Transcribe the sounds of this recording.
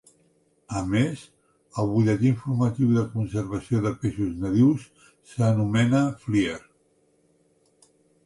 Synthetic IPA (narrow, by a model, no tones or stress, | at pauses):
əmez | əlˠβuʎɛt̪iɱfuɾmət̪iwðəkunsəɾβ̞əsioðəpeʃuznəðiwsː | ənumɛnəflieɾ